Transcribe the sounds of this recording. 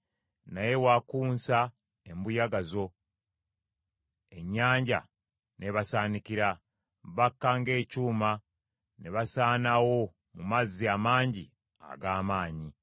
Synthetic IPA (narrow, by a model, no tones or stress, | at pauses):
naje̞waːkuːnsa | embujaɡazo̞ | e̞ɲːaːɲɟa̰ | neβasaːnikiɾa | βakːaŋɡe̞ːcuːma | neβasaːnawo̞ | mumazːiamaːɲɟi | a̰ɡaːmaːɲi